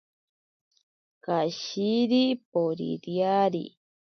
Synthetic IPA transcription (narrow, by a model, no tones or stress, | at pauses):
kaʃiɾipoɾḭɾjaɾḭ